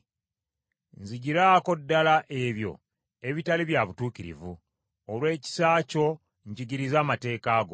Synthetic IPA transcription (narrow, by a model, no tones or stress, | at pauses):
nziɟiɾaːko̞dːalaʔe̞βjo̞̰ | e̞βitaliβjaβutuːciɾḭvu | olwe̞ːci̥saːco̞ | ɲɟiɟiɾizaːmate̞ːkaːɡo